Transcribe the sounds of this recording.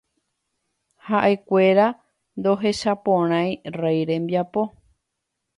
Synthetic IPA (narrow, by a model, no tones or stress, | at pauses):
haʔe̞kʷe̞ɾa | nd̪o̞ɦe̞ʃapõɾ̃ãjrejɾẽ̞mbjapo̞